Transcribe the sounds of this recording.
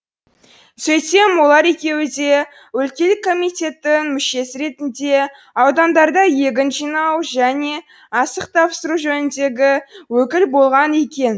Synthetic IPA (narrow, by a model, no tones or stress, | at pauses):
sɵjt̪e̞mwo̞lˠɑɾe̞kʲe̞wɪd̪e̞ | wɵlkʲe̞lɪkʰːo̞mijt̪ʲe̞t̪ːɪŋmʏʃe̞sɪɾe̞t̪ɪnd̪e̞ | ɑwd̪ɑnd̪ɑɾd̪ɑje̞ɡʲɪnʒijnɑwʒæne̞ | ɑsəq̚t̪ʰɑpsəɾuʒɵnɪnd̪e̞ɡʲɪwɵkʲɪlbo̞lˠʁɑne̞kʲe̞n